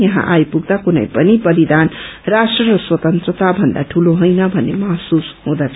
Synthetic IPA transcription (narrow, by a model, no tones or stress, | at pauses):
jʌɦã̰ʔajpuɡd̪akunʌ̰jpʌnipʌɾid̪anrasʈrʌɾʌswʌt̪ʌnt̪rʌt̪abʱʌnd̪a̰ʈʰuloɦojnʌbʱʌnːemaɦsusɦõd̪at͡sʰ